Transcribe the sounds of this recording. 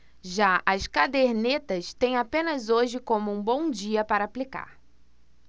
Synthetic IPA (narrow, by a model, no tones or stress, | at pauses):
ʒaʔɐskad̪eɾnet̪ɐst̪ẽj̃apẽnɐzoʒɪkõmʊũbõw̃d͡ʒiɐpaɾɐːplika̰ɾ